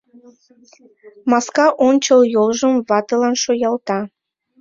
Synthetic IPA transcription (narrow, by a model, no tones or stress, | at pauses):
mɑskɑʔont͡ɕəljolʒəmβɑt̪əlɑnʃojɑlt̪ɑ